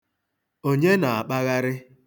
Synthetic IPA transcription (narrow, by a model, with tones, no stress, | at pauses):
o˦ɲe˦na˨a˨k͡pa˦ɣa˦ɾɪ˦